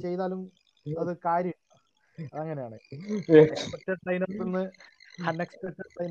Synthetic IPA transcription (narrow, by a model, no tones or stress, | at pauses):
t͡ɕe̞jt̪aːlum | ɐðɨkaːɾjɐ | ɐɐŋːɐnejaːɳɨ | ekspɐtːɐʈɐjnoːt̪ːinːɨɐneksʈɐtːɐʈɐjn